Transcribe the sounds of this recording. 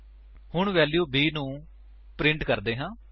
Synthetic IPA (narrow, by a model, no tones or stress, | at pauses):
hʊɳʋɛːljuːbiːnũː | pɾɪ̃ɳʈkəɾd̪eːɦãː